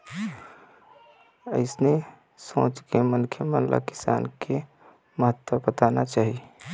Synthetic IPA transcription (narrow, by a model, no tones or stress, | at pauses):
ə̰ɪsne | sõ̰ːt͡ʃkemənkʰjəmənlʔa̰kɪ̥sa̰ːnke | məɦət̪wəbət̪anat͡ʃaːɦi